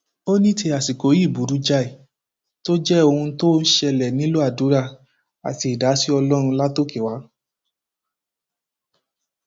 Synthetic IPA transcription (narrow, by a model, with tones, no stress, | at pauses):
o˦nĩ˦tʰe˧a˨si˨ko˨˦i˦˨bu˨˦ɾu˨˦d͡ʒa˦i˨ | to˦d͡ʒɛ˦o˧hũ˧to˦n̩˦ʃɛ˧lɛ˨nĩ˨˦lo˦a˦˨du˨˦ɾa˧ | a̰˨ti˧˨da˨˦si˦ɔ˧lɔ˦ɾ̃ũ˧la˦to˦ke˦˨wa˨˦